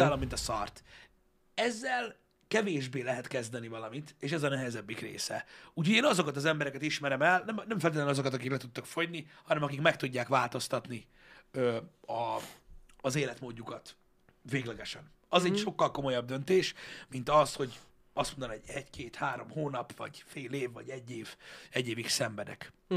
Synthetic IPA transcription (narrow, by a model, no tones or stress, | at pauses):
aːlomːint̪ɒsɒ̰rt̪ | ɛzːɛl | kɛveːʒbeːlɛɦɛt̪kɛzd̪ɛnivɒlɒmit̪eːʃɛzɒnɛɦɛzɛbːikrḛːsɛ̰uːcʰo̞ɟeːnɒzo̞kɒt̪ɒzɛmbɛɾɛkɛt̪iʃmɛɾɛmɛlnɛmnɛɱfɛlt̪it̪lnɒzokɒt̪ɒkiklɛt̪ut̪ːɒkfo̞ɟnihɒnɛmɒkikmɛk̚t̪uɟːaːkʋaːlt̪o̞st̪ɒt̪ni | øɒː | zeːlɛt̪moːɟːukɒt̪ | veːɡlɛɡɛʃɛn | ɒzɛcʃo̞kːɒlko̞mo̞jɒb̚d̪ø̞nt̪eːʃmint̪ɒsho̞ɟ | ɒst̪mond̪onoɟɛɟkʰeːt̪haːɾo̞mhoːnɒpvɒ̰ɟfeːleːvːɒ̰ɟɛɟːeːv̥ɛɟːeːviksɛɱbɛd̪ɛ̰k